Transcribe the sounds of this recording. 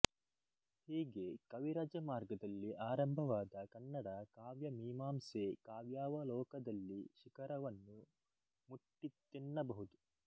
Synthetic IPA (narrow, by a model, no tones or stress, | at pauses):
hiːɡekɐʋiɾɐd͡ʒɐmaːɾɡɐd̪ɐlːiʔaːɾɐmbʱɐʋaːd̪ɐkɐnːɐɽɐkaːʋjɐmiːmaːmseːkaːʋjaːʋɐlɔːkɐd̪ɐlːiʃikɐɾɐʋɐnːu | muʈːit̪ːinːɐbɐɦud̪u